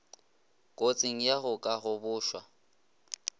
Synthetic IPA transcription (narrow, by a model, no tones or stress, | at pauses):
kʼot͡sʼɪŋ̩jaɣʊkʼaɣʊbʊːʃwa̰